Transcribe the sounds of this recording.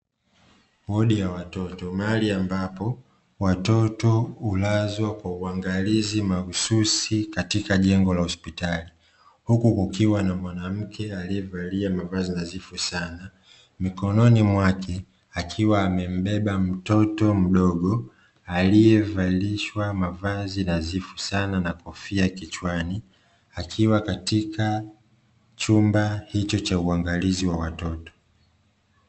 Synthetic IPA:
ɓɔɗijawatɔtɔmaaliambapɔ | watɔtɔulazwakwauaŋɡalizimaususikatikaʄɛŋɡɔlahɔspitali | hukukukiwanamwanam̩kʰɛaliɛvaliamavazɔnazifusana | mikɔnɔnimwakʰɛ | akʰiwaːmɛm̩ɓɛɓam̩tɔtɔm̩ɗɔɠɔ | alijɛvaliʃwamavazinazifu̥sananakɔfiakit͡ʃwani | akʰiwakatikʰa | t͡ʃumbahit͡ʃɔt͡ʃauaŋɡaliziwawatɔtɔ̥

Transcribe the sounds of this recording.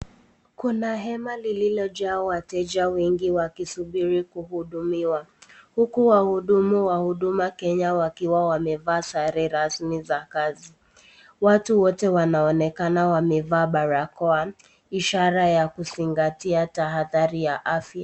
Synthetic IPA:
kunaɦɛmalililɔʄaːwatɛʄawiŋɡiwakisuɓiɾikuhuɗumiwahukuwahuɗumuwahuɗumakɛɲawakiwawamɛvaːsaɾɛɾasmizakazi | watuwɔtɛwanaɔnɛkanawamɛvaːɓaɾakɔa | iʃaɾajakuziŋɡatiataɦaðaɾijaʔafja

